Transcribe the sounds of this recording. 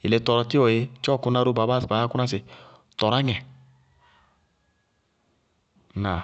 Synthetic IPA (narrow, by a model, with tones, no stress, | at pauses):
i˨le˨˦tɔ˨ɾɔ˨ti˦ɔ˨je˦t͡ʃɔ˦˨ku˦na˦ɾu˦ba˨ba˦sba˨˦a˦ku˦a˦s̬e˨ | tɔ˨ɾa˦ŋɛ˨ | na˨